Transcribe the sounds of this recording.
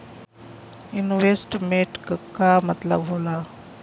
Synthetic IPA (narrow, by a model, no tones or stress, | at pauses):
inʋesʈmeʈkəkːamət̪ləbɦola